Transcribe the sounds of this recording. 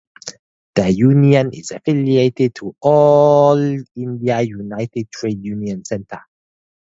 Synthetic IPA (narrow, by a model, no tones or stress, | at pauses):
d̥əjuniə̃nḭzafilietɛd̚tʰuɔlĩndiajunaɪtid̚tʰɹedjuniə̃nsɛ̃ntə